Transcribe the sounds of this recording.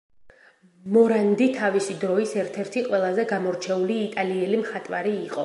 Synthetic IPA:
mɔɾand̪it̪ʰavisid̪ɾɔisɛɾt̪ʰɛɾt̪ʰiqʼwɛlˠazɛɡamɔɾt͡ʃʰɛuliːt̪ʼaliɛlimχat̪ʼvaɾiːqʼɔ

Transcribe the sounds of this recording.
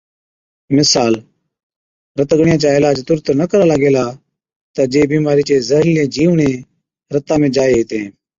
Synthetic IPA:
mɪsaːl | ɾət̪əɡɳɪjãːt͡ʃaːeːlaːd͡ʒt̪ʊɾt̪nəkəɾaːləɡeːlaː | t̪aːd͡ʒeːbiːmaːɾiːt͡ʃeːzəɦljẽːd͡ʒiːʋɳẽː | ɾət̪ãːmẽːd͡ʒaːeːɦiːt̪ẽː

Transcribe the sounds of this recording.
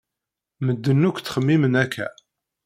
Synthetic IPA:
məd̪ːənːukʷːt͡sːχəmːimənækːæ̰

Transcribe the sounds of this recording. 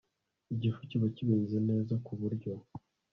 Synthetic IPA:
iɟifuciβaciβiːnzene̞ːzakuβuɾɟo̞

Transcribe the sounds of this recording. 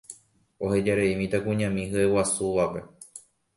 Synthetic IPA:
o̞he̞d͡ʒaɾeimĩt̪akũɲãmĩɦɨewasuʋape̞

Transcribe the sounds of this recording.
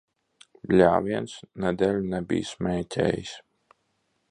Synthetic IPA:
blʲaːviɛnsnɛd̪ʲɛlʲnɛbʲḭːjsmʲɛːjt̪ʲɛ̰ːjḭs

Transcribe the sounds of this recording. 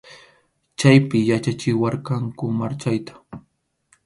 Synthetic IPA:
t͡ʃajpɪjat͡ʃat͡ʃɪwɑɾkɑŋkʊmaɾt͡ʃajt̪ḁ

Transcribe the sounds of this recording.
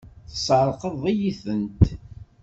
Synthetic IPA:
θə̥sˤəɾˤqəðˤijiθənt̪

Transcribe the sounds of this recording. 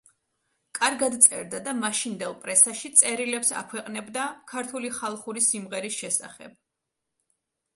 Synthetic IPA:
kʼaɾɡad̪t̪sʼɛ̰ɾd̪ad̪amaʃind̪ɛlˠpʼɾɛsaʃit̪sʼɛɾilɛpsa̰kʰwɛqʼnɛbd̪akʰaɾt̪ʰuliχalˠχuɾisimʁɛɾisʃɛsa̰χɛ̰b̥̚

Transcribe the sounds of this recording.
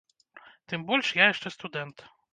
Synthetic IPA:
t̪ɘmbɔlʲʂjajɛʂt͡ʂɛst̪ud̪ɛnt̪

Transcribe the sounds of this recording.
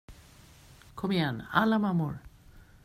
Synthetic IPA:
kʰomijana̰lamamuɹ

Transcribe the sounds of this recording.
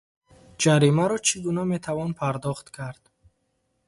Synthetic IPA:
d͡ʒaɾimaɾɔt͡ʃʰiɡunamet̪ʰavɔnpʰaɾd̪ɔχt̪kʰaɾd̪̥

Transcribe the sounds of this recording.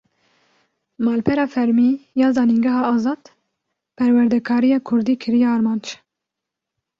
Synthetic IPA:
mɑːlpʰɛɾɑːfɛɾmiːjɑːzɑːniŋɡɛɦɑːɑːzɑːd̪̥ | pʰɛɾwɛɾd̪ɛkʰɑːɾijɑːkʰʊɾd̪iːkʰɨɾijɑːɾmɑːnd͡ʒ

